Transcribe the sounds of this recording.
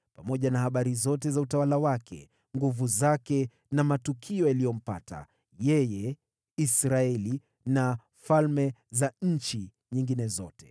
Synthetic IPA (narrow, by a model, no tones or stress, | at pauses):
pamɔʄanahaɓaɾizɔtɛzautawalawakʰɛ̰ | ŋɡuvuzakɛ | namatukʰiɔjalijɔm̩pa̰tʰa̰ | jɛjɛ | isɾaɛli | na | falmɛzaɲ̩t͡ʃi | ɲiŋɡinɛzɔ̰tɛ̥